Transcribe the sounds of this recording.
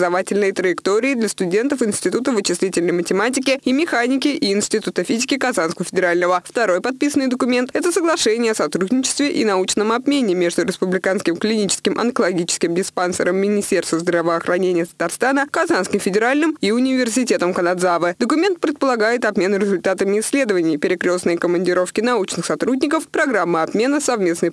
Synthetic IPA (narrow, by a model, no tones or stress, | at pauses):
zɐvatʲɪlʲnɨjət̪ɾəjɪkt̪oɾʲɪːɪd̪lʲəst̪ʊdʲe̞nt̪əfɪnsʲtʲɪt̪ut̪əvɨt͡ɕɪslʲitʲɪlʲnəjmətʲɪmatʲɪkʲɪimʲɪxanʲɪkʲɪʔʔɪːnsʲtʲɪt̪ut̪əfʲizʲɪkʲɪkazanskəvəfʲɪdʲɪɾalʲnəvəft̪ɐɾo̞jpɐt̪̚pʲisənːɨjd̪əkʊmʲe̞nt̪ɛt̪əsəɡlˠɐʂɛnʲɪjəɐsɐt̪ɾud̪ʲnʲɪt͡ɕɪ̥st̪vʲɪʔḭnɐut͡ɕnəmɐbmʲenʲɪmʲe̞ʐd̪ʊɾʲɪspʊblʲɪkanskʲɪmklʲɪnʲit͡ɕɪ̥skʲɪmʔɐ̰nkəlˠɐɡʲit͡ɕɪskʲɪmdʲɪspansə̰ɾəmːʲɪnʲɪsʲtʲe̞rst̪vəzd̪ɾəvəɐxɾɐnʲenʲɪjət̪ə̥t̪arst̪anəkɐzanskʲɪmfʲɪdʲɪɾalʲnɨmiʊnʲɪvʲɪrsʲɪtʲe̞t̪əmkənad̪zavɨd̪əkʊmʲe̞nt̪̚pɾʲɪt̪̚pəlˠɐɡajɪt̪ɐbmʲe̞nʊɾʲɪzʊlʲt̪at̪əmʲɪːsʲːlʲe̞d̪əvənʲɪjpʲɪɾʲɪkɾʲo̞snəjkəmənʲdʲɪɾo̞fkʲɪnɐut͡ɕnɨxsɐt̪ɾudʲnʲɪkəfpɾɐɡɾamːəɐbmʲe̞nəsɐvmʲe̞snəj